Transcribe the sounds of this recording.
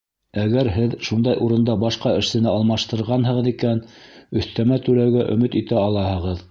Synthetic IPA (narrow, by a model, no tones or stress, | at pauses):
æɡæɾɦɘðʃund̪ɑjʔuɾɤ̆nd̪ɑbɑʃqɑɘ̆ʃsɘ̆nɘɑlˠmɑʃt̪ɤ̆ɾʁɑnɦɤ̆ʁɤ̆ðikænɵ̆θt̪æmæt̪ʉlæwɡæʔɵ̰̆mɘt̪it̪æɑlˠɑɦɤ̆ʁɤð